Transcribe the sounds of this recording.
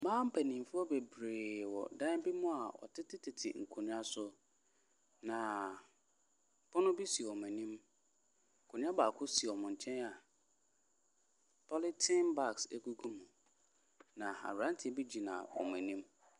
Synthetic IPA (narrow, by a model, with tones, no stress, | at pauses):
mãː˦m̩˦pʰæ˨nĩ˨m˨fu˦ɔ˦be˨bɾeː˨wɔ̰˨dã˦n˦bi˦mʊ̃˦a˨ɔ̰˨tʰɪ˦tʰɪ˦tʰɪ˨tʰɪ̰˨ŋ̩˨kʰo˨ñ˦a˦sʊ˦ | nã˨ | pʰɔ˦nʊ̃˦bi˦si˨ɔ˨m˨ɛ̃˨nĩ˦m | ŋ̩˨kʰo˨nũ˦a˦baː˨kʰʊ˦si˨ɔ˨mʊ̃˨ɲ˨t͡ɕʰɛ̃˦na˨ | pʰɔ˦lɪ˦tʰɪ̃˦nba˦kse˦ku˦ɡu˦mũ˨ | nã˨a̰˨hɾã˦ntʰɪ˨ɛ˦bi˦d͡ʑi˨nã̰˨wɔ̰˨m˨ɛ̃˨nĩ˦m